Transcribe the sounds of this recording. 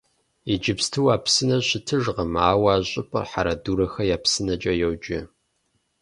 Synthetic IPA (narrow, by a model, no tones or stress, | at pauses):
id͡ʒɪpstʰɨwaːpsɨnɐɕɪtʰɨʒʁɐmaːwaːʑʼɪpʼɐ̰rħaɾɐduːɾɐxɐjaːpsɨnɐt͡ʃʼɐjɛwd͡ʒɪ